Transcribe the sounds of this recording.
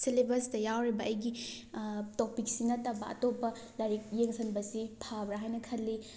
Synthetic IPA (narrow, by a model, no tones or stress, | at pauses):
selebɐstɐjawɾibɐʔɐjɡi | tok̚pik̚sinɐtɐbɐ̰ʔɐ̰topːɐ | laɾik̚jeŋsɐnbɐsipʰabɾaɦajnɐkʰɐlːi